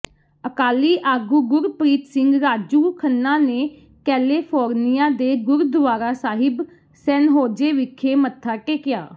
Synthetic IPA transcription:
əkaːliːʔaːɡuːɡʊɾpɾiːt̪sɪŋɡɾaːd͡ʒuːkʰənːaːneː | kɛːleːpʰoːɾnɪjaːd̪eːɡʊɾd̪ʊʋaːɾaːsaːɦɪb | sɛːnɦoːd͡ʒeːʋɪkʰːeːmət̪ʰːaːkeːkɪja̰ː

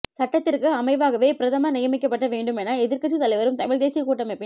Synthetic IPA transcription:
sɐʈːɐt̪ːɪrkɯɐmɐɪʋaːɣɐʋeːpɪɾɐðɐmɐnɪjɐmɪkːɐpːɐʈːɐʋeːɳɖɯmɛnːaɛðɪɾkɐʈːʂːit̪ɐlɐɪʋɐɾɯmt̪ɐmɪɻd̪eːsɪjɐkuːʈːɐmɛpːɪ

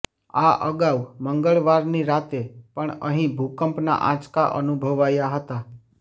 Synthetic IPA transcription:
aʔə̰ɡawməŋɡəɭʋaɾniɾat̪epəɳə̰ɦĩbʱukəmpna̰ʔã̰t͡ʃkaʔənubʱəʋajaɦət̪a

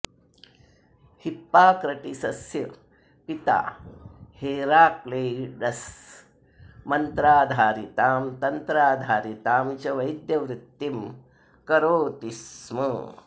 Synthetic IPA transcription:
hipːaːkɾɐʈisɐsjɐ | pit̪a̰ːheːɾaːkleːɖɐs | mɐnt̪ɾaːd̪ʱaːɾit̪aːmt̪ɐnt̪ɾaːd̪ʱaːɾit̪aːmt͡ʃɐʋɐjd̪jɐʋɾɪt̪ːim | kɐɾoːt̪ismɐ

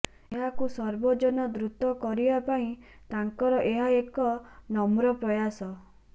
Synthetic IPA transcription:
eɦakusɔɾbɔd͡ʒɔnɔd̪ɾut̪ɔkɔɾibapaĩ | t̪aŋkɔɾɔʔeɦaekɔnɔmɾɔpɾɔjasɔ

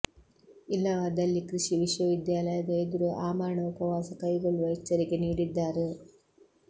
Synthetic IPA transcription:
ilːɐʋɐd̪ɐlːikɾɨʂiʋiʂʋɐʋid̪jaːlɐjɐd̪ɐjed̪uɾuʔaːmaːɾɳɐupɐʋaːsɐkɐjɡɐɭuʋɐjt͡ʃːɐɾikeniːɽid̪ːaːɾe

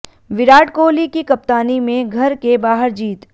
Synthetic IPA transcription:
ʋɪɾaːʈkoːlikikɐp̚t̪aːnimẽɡʱɐɾkebaːɦəɾd͡ʒiːt̪

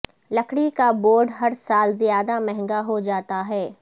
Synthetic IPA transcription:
lɐkɽikaboːɾɖɦɐɾsaːlzijaːd̪amɛɦɛ̃ŋɡaɦod͡ʒaːt̪aɦɛː

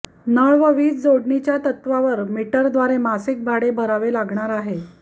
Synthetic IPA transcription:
nəɭʋəʋiːt͡sd͡zoɽɳit͡ɕjat̪ət̪ʋaʋəɾmiʈəɾd̪ʋaɾemasik̚bʱaɽebʱəɾaʋelaɡɳaɾaɦe

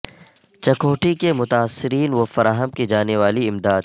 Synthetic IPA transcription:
t͡ʃɐkoːʈʰikemʊt̪aːsːɪɾiːnʋofɐɾaːɦəmkid͡ʒaːneʋaːliɪmd̪aːd̪̚

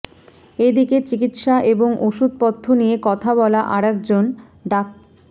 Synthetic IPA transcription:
ed̪iket͡ɕikit̪ʃaʔeboŋoʃud̪̚pɔt̪ʰːonijekɔt̪ʰabɔlaʔaɾɛkd͡ʑon | ɖak̚

